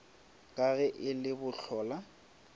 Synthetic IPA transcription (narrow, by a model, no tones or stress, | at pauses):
kʼaɣɛʔɪlɪbʊɬɔːla